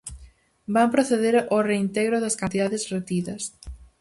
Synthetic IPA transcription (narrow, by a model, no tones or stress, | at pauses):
bampɾoθeðeɾoreint̪eɣɾʊðɐskant̪iðaðɪsret̪iðɐs